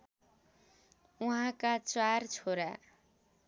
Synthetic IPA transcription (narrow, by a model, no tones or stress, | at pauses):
uɦãkat͡saɾt͡sʰoɾa̰